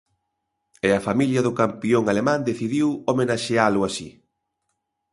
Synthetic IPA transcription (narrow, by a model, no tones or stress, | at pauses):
ɛafamiljɐðʊkampioŋalemãnd̪eθiðiwomenaʃealʊasi